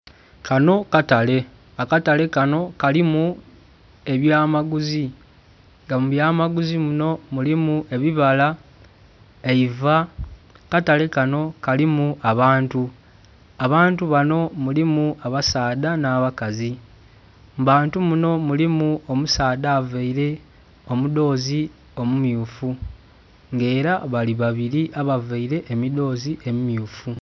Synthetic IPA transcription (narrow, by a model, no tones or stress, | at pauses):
kano̞katale̞ | akatale̞kano̞kalimu | e̞βjaːmaɡuzi | ŋɡamuβjaːmaɡuzimuno̞mulimue̞βiβala | eivakatale̞kano̞kalimuaβaːntu | aβaːntuβano̞mulimuaβasaːdanaːβakazi | mbaːntumuno̞mulimuo̞musaːd̪aːveiɾe̞ | o̞mudo̞ːzi | o̞mumjuːfu | ŋɡe̞ːɾaβaliβaβiɾiʔaβaveiɾe̞ʔːmido̞ːziʔemimjuːfu